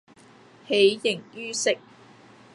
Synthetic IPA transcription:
he˨˧jjɪ˨˩ŋjyː˥sɪ˥k̚

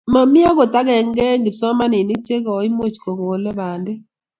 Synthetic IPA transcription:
ma˨mi˦a˦ko˨ta˦kɛ˨ŋ˦ɡɛ˦ŋɡi˨psɔ˦ma˦ni˨ni˦k̚t͡ʃe˦kɔ˨˦i˦mo˦˨t͡ʃkɔ˨ko˨lɛ˦baː˨nde˦

